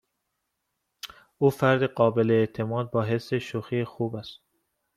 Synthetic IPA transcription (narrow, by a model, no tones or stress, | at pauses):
uːfæɾd̪eɢɒːbeleːt̪ʰemɒːd̪̚bɒːɦesːeʃoxiːxuːbæst̪